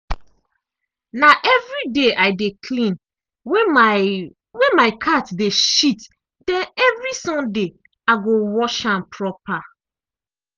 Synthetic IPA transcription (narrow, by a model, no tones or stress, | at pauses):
naʔɛvɹideʔaɪdekʰlĩn | wɛ̃maɪkʰatdeʃit | dɛ̃nɛvɹisɔ̃mde | aɡowɔʃãmpʰɹɔpa